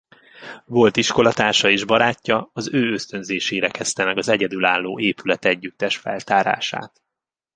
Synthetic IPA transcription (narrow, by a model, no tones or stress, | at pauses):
vo̞lt̪iʃko̞lɒt̪aːrʃɒeːʒbɒɾaːcːɒɒzøːø̞st̪ø̞nzeːʃeːɾɛkɛst̪ɛmɛɡɒzɛɟɛd̪ylaːlːoːeːpylɛt̪ɛɟːyt̪ːɛʃfɛ̰lt̪aːɾa̰ːʃa̰ːt̪